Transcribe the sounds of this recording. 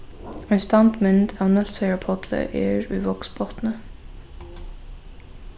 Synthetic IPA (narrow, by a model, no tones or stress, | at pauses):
ənst̪ɑnt̪mʏnd̪ænəlsɛɹəpʰɔt̪ʰlə̰ʔḛːɹʉ̰ːʋɔksbɔt̪n̩ə